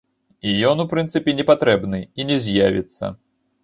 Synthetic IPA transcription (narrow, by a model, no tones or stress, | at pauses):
ijɔnupɾɨnt̪sɨpʲɛnʲɛpat̪ɾɛbnɨinʲɛzʲjavʲit̪sːɐ̰